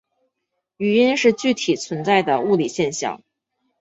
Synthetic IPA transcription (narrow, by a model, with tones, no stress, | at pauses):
y˨˩i˥nʂɻ̩˥˧t͡ɕy˥˩t̪ʰi˨˩t͡sʰwə˧˥nt͡sa˥˩ɪd̪ə˩u˥˩li˨˩ɕjɛ˥˧nɕjɑ̰˥˩ŋ